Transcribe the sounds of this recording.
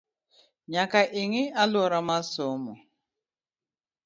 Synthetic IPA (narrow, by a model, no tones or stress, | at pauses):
ɲakaʔeŋɪalʊɔɾamasɔmʊ